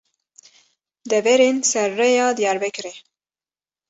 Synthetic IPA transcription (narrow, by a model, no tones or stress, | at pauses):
d̪ɛvɛɾeːnsɛɾːɛjɑːd̪ijɑːɾbɛkɨɾɛ